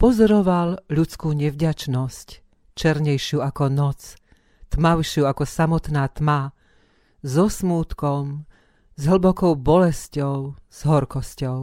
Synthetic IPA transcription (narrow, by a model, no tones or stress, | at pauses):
pɔzɔɾɔʋalʎut͡skuːɲɛvɟat͡ʃnɔsc | t͡ʃɛɾɲɛjʃɪuːakɔnɔt͡s | t̪maʊʃɪuːakɔsamɔt̪naːt̪ma | zɔsmuːt̪kɔm | zɦl̩bɔkɔʊbɔlɛscɔʊz̥ɦɔɾkɔscɔʊ